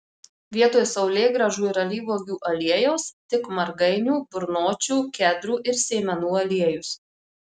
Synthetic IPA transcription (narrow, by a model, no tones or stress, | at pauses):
ʋʲiɛt̪oːjsɐʊlʲeːɡɾɐʒuːɪɾɐlʲiːʋoːɡʲuːʔɐlʲiɛjoʊst̪ʲɪkmɐɾɡɐɪnʲuːbʊɾnoːt͡ʃʲuːkʲæd̪ɾuːʔɪɾsʲeːmʲɛnuːɐlʲiɛjʊs